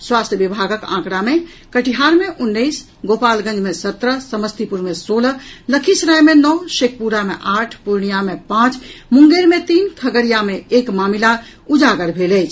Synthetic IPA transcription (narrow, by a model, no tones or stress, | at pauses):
swast̪ʰjəbibʱaɡəkã̰kɽame | kəʈiɦaɾmeʔunːəjs | ɡopalɡə̃nd͡ʒmesət̪ɾəsəməst̪ʰipuɾmesolləkʰisɾajmenɔʃek̚ʰpuɾamḛʔaʈʰpuɾɳijamepãt͡ʃmuŋɡeɾmet̪inkʰəɡəɾijameekmamila | ud͡ʒaɡəɾbʱeləjt͡ʃʰ